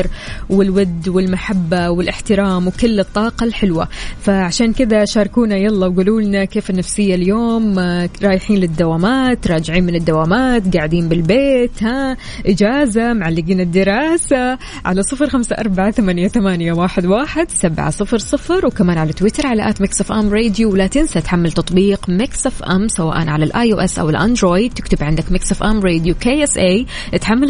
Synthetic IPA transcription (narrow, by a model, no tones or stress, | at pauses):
ɾwɪlwɪd̪ːwɪlmaħabːawɪlʔɪħt̪ɪɾˤɑːmwkʊlːɨt̪ˤːɑːqɑlħɪlwa̰faʕaʃaːnkɪd̪aʃɑːɾˤkuːnajɑlˤːɑwɡuːluːlnakeːfɪnːafsɪjːaljoːmɾˤɑːjɪħiːnlɪd̪ːawaːmaːt̪ɾˤɑːd͡ʒɪʕiːnmɪnɪd̪ːawaːmaːt̪ɡaʕɪd̪iːnbɪlbeːt̪ha | ʔɪd͡ʒaːzamʕalːɪɡiːnɪd̪ːɪɾɑːsa | ʕa̰lasˤɨfɾxamsaʔɑɾˤbaʕaθamanjaθamaːnjawaːħɪd̪waːħɪd̪sabʕa̰sˤɨfɾsˤɨfɾwkamaːnʕalat̪wɪt̪ɑɾˤʕalaʔaːt̪mɪksafʔamɾeːd̪juwlat̪ɪnsat̪ħamːalt̪ɑt̪ˤbiːqmɪksʔafʔa̰msawa̰ːʔa̰nʕalalʔaːjʔoːʔɛsʔa̰wɪlʔa̰nd̪ɾoːjd̪̚t̪ɪkt̪ɪbʕɪnd̪akmɪksafʔamɾeːd̪jukeːʔɛsʔe | ʔɪt̪ħamːal